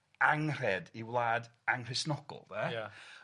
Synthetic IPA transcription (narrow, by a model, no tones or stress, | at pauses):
aŋr̥ɛdiwlˠaːdaŋr̥ɛ̥snɔɡ̥ɔ̰lˠðɛj